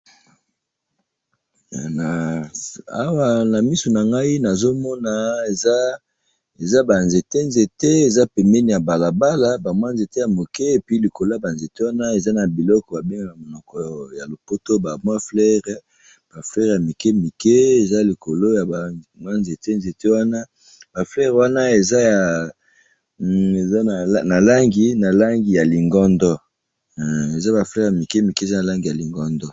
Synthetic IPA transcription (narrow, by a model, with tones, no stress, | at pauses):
na˨ | a˦wa˨na˨mi˦su˨na˨ŋɡa˦i˦na˨zo˦mɔ˦na˨e˨za˦ | e˨za˦ba˨nze˨te˦nze˨te˦e˨za˦pɛ˨mbɛ˦ni˨ja˨ba˨la˨ba˦la˦ba˨mwa˦nze˨te˦ja˨mo˨kɛ˦e˨pi˦li˨ko˨lo˦a˨ba˨nze˨te˦wa˦na˦e˨za˦na˨bi˨lɔ˦kɔ˨ba˨be˦ŋɡa˨ɡa˨mo˨nɔ˨kɔ˨ja˨lo˨po˦to˦ba˨mwa˦flɛ˦ʁ | b̥a˨flɛ˦ʁja˨mi˨ke˦mi˨ke˦e˨za˦li˨ko˨lo˦ja˨ba˨mwa˦nze˨te˦nze˨te˦wa˦na˦ | ba˨flɛ˦ʁwa˦na˦e˨za˦ja˨ | e˨za˦˨˦na˨la˦ŋɡi˨na˨la˦ŋɡi˨ja˨li˨ŋɡɔ˦ndɔ˦ | e˨za˦ba˨flɛ˦ʁja˨mi˨ke˦mi˨ke˦˨za˦na˨la˦ŋɡi˨ja˨li˨ŋɡɔ˦ndɔ˦